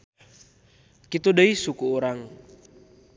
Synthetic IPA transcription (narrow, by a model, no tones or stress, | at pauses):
kit̪udəisukuuɾaŋ